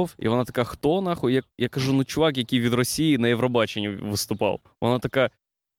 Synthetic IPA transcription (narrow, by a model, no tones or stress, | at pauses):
fḭʋɔnat̪ɐ̥kaxt̪ɔnɐxɔjɐk̚jakɐʒunut͡ʃʊʋɑkjɐkʲijʋʲid̪rɔsʲijinɐjɛʋɾɔbɑt͡ʃenʲːuʋɪst̪ʊpɑ̰w | ʋɔ̰nat̪ɐka